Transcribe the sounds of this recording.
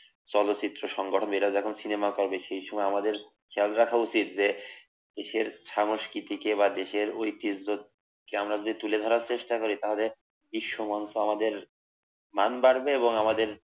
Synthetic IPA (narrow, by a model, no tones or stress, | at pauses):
t͡ɕɔlot͡ɕit̪ːɾoʃɔŋɡoʈʰonbejɾad͡ʑɛkʰonsinemakoɾbeʃejʃɔmɔeamad̪eɾ | kʰɛalɾakʰaut͡ɕit̪d͡ʑe | d̪̥eʃeɾʃamoʃkit̪ikeβad̪eʃeɾojt̪id͡ʑo | keamɾad͡ʑod̪ʱit̪uled̪ʱɔɾaɾt͡ɕeʃʈakoɾit̪aɦole | biʃːomansoamad̪eɾ | manbaɾbeeβoŋamad̪eɾ